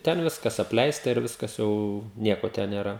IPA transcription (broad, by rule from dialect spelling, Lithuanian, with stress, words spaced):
ˈtʲɛn ˈʋʲɪskɐs ɐpʲˈlʲɛɪstɐ ɪr ˈʋʲɪskɐs jɛʊ ˈnʲiɛkoː tʲɛn nʲeːˈrɐ